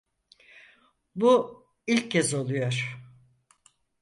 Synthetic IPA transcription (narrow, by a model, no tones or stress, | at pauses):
bu | ilʲcʰːɛzo̞lˠujo̞ɾ̥